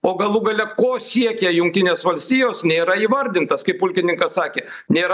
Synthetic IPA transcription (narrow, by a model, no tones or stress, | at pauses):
oːɡɐlˠuɡɐlʲɛkoːsʲiɛkʲɛjʊŋk̚t̪ʲɪnʲeːsʋɐlʲsʲt̪ʲiːjoːsnʲeːɾɐiːʋɐɾʲd̪ʲɪnt̪ɐskɐɪpʊlʲkʲɪnʲɪŋkɐssɑːkʲeː | nʲeːɾ